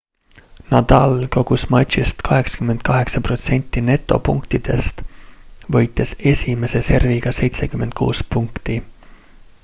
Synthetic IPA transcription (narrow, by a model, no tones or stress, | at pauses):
nɑd̪̥ɑlko̞ɡ̥usmɑt̪ʲɕist̪kɑɦe̞ksɑ̥kymːed̪̚kɑɦe̞ksɑpro̞t̪se̞nʲt̪ˑːine̞t̪ːˑo̞̰puŋkt̪id̪̥e̞̰st̪vɤjt̪ːˑe̞se̞sʲime̞se̞se̞rviɡ̥ɑse̞jt̪se̞kymːe̞nt̪̚kʰṵːspuŋkt̪i